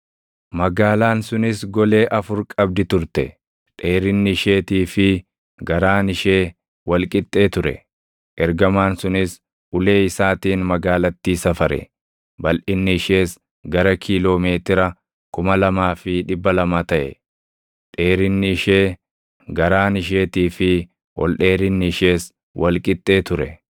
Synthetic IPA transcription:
mɐɡaːlaːnsʊnɪsɡɔle̞ːʔɐfʊɾkʼɐb̚d̪ɪt̪ʊɾt̪ɛ | t̪ʼe̞ːɾɪnːɪɪʃe̞ːt̪iːfɪ | ɡɐɾaːnɪʃe̞ː | wɐlkʼɪt̪ʼːe̞ːt̪ʊɾɛ̰ | ʔɛɾɡɐmaːnsʊnɪs | ʔʊle̞ːɪsaːt̪iːnmɐɡaːlɐt̪ːiːsɐfɐɾɛ̰ | bɐlʔɪnːɪɪʃe̞ːs | ɡɐɾɐkʰiːlo̞ːme̞ːt̪ɪɾɐ | kʊmɐlɐmaːfɪᶑɪbːɐlɐmaːt̪ɐʔɛ̰ | t̪ʼe̞ːɾɪnːɪɪʃeː | ɡɐɾaːnɪʃ̬e̞ːt̪iːfɪ | wɔ̰lᶑe̞ːɾɪnːɪɪʃe̞ːs | wʔɐlkʼɪt̪ʼːe̞ːt̪ʊɾɛ

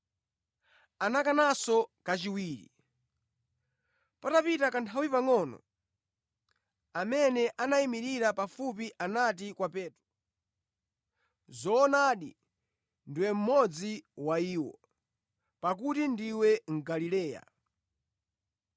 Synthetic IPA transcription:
anakanasɔkat͡ʃiwiːɾḭ | patapitakantʰawipaŋɔnɔ̰ | amɛnɛʔanaimiɾiɾapafup̬iʔanatikwapɛːtɾu | zɔːnaːɗḭ | ndiwɛm̩mɔd͡ziwaiːwɔ̰ | pak̬utindiwɛŋ̩ɡalilɛːja̰

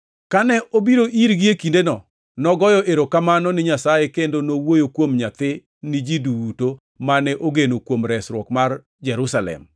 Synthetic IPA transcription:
kanɛʔobiɾoʔiɾɡɪekindenɔ | nɔɡɔjɔʔeɾokamanɔnɪɲasajekendonowojokwomɲat̪ɪ | nɪd͡ʒiduuto | manɛʔoɡenokwomɾɛsɾwɔkmar | d͡ʒɛɾusalɛ̰m

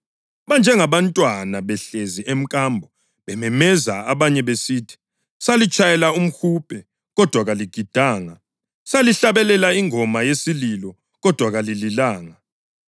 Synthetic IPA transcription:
βand͡ʒʱɛŋaβantʼwanaβɛɬeziʔem̩kʼambʱɔ | βɛmɛmɛzaaβaɲɛβesiːtʰi̥ | salit͡ʃʼʰajɛlaum̩xuːpʰʼɛ | ɣɔd̥ʱwaɣaliɡ̥ʱid̥ʱaːŋa | saliɬaβɛlɛlaiŋʱɔmajesililɔ | ɣɔd̥ʱwaɣalililaːŋa

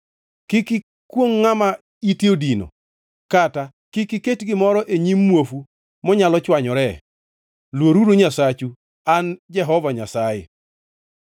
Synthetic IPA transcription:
kɪkɪ | kwoŋːama | itiodino̰ | kata | kɪkɪketɡɪmɔɾɔʔeɲimːwofu | mɔɲalɔt͡ʃwaɲɔɾɛ | lwoɾuɾoɲasat͡ʃu | and͡ʒɛɦɔvaɲasajɪ̰

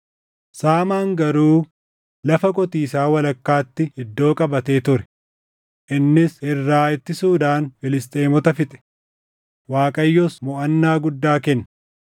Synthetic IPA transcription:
saːmaːŋɡɐɾuː | lɐfɐkʼɔt̪iːsaːwɐlɐkːaːt̪ːɪɪd̪ːo̞ːkʼɐbɐt̪e̞ːt̪ʊɾɛ̥ | ʔɪnːɪsɪrːaːɪt̪ːɪsuːd̪aːnfɪlɪst̪ʼeːmɔt̪ɐfɪt̪ʼɛ̥ | waːkʼɐjːɔsmɔʔɐnːaːɡʊd̪ːaːkɛnːɐ

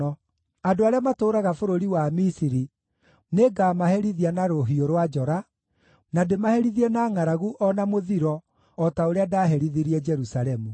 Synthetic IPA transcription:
ɔ | adoaɾeamatoːɾaɣafoɾoɾiwamisiɾi | neɡamahɛɾiðianaɾoɦioɾwad͡ʒɔɾa | nademahɛɾiðiɛnaːŋaɾaɣuʔɔnamoðiɾɔː | taoɾeadaːɦɛɾiðiɾiɛd͡ʒɛɾusaɾɛmu

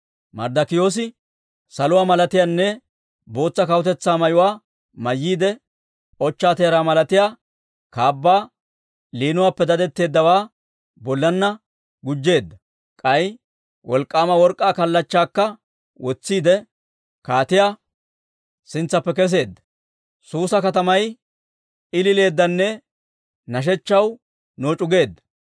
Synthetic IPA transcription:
mɐ̰ɾd̪ɐkɪjo̞ːs̬ɪ | sɐlʊwaːmɐlɐt̪ɪjaːnːɛ | bo̞ːt͡sːɐkɐwʊt̪ɛt͡sːaːmɐjʊwaː | mɐjːiːd̪ɛ | ɔt͡ʃːaːt̪eːɾaːmɐlɐt̪ɪjaː | kaːbːaː | liːnʊwaːpːɛd̪ɐd̪ɛt̪ːe̞ːd̪ːɐwaː | bɔlːɐnːɐ | ɡʊd͡ʒːe̞ːd̪ːɐ | kʼɐj | wʔɔlkʼːaːmɐwɔɾkʼːaːkɐlːɐt͡ʃːaːkːɐ | wɔt͡sːiːd̪ɛ | kaːt̪ɪjaː | sɪnt͡sːɐpːɛkɛs̬e̞ːd̪ːɐ̥ | suːsɐkɐt̪ɐmɐj | ɪlɪle̞ːd̪ːɐnːɛ | nɐʃ̬ɛt͡ʃːɐw | noːt͡ʃʼʊɡe̞ːd̪ːɐ̥

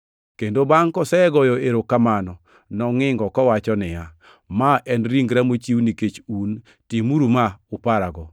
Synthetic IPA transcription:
kendobaŋkɔsɛɡɔjɔeɾokamanɔ | nɔŋɪŋɡɔkɔwat͡ʃɔnɪja | maʔɛnɾiŋɡɾamot͡ʃiwniket͡ʃun | timuɾumaʊpaɾaɡɔ

